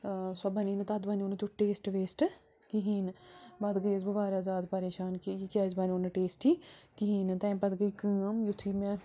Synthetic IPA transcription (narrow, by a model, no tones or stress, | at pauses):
sɐbəniːnt̪ɐd̪bɐnoːnt̪uʈeːsʈʋeːsʈ | kiɦiːnbɐd̪ɡəjsbəʋaːɾaːzaːd̪pəɾeːʃaːnkiikazbɐnonʈeːsʈikiɦiːnt̪ɛ̃ːpɐd̪ɡəikə̃amjʊt̪ʰːiːmɛ̃